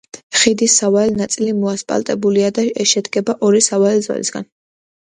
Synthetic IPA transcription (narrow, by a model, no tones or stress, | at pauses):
χid̪isavaɛlnat̪sʼilimɔaspʼa̰lˠt̪ʼɛbuliad̪aɛʃɛd̪ɡɛbaʔɔɾisavaɛlzwa̰lḭsɡa̰n